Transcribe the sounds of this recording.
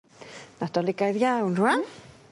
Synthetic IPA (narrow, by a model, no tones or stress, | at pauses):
nadɔlɪɡajðjawnruan